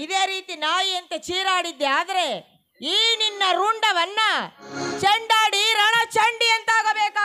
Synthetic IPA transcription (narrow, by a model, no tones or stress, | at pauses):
id̪eːɾiːt̪inaːjiɐnt̪ɐt͡ʃiːɾaːɽid̪ːeaːd̪ɐɾe | iːninːɐɾuɳɖɐʋɐnːɐt͡ʃɐɳɖaːɽiɾɐɳɐt͡ʃɐɳɖiɐnt̪aːɡɐbɛːkaː